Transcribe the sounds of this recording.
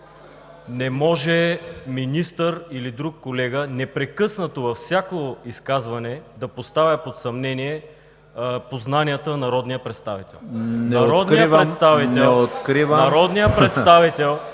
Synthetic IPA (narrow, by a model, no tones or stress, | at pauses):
nɛmɔʒɛminist̪əɾilid̪ɾukːolɛɡənɛpɾɛkɤsnət̪ovɐfsʲjakoiskazvɐnɛd̪ɐpost̪avʲɐpot̪sɐmnɛniɛ | poznaniət̪ənɐɾɔd̪nijəpɾɛt̪st̪avit̪ɛ̰lˠnnɐɾɔd̪nijəvɾɛt̪st̪avitnɛɛlot̪kɾivənɐɾɔd̪nijəpɾɛt̪st̪avit̪ɛlˠ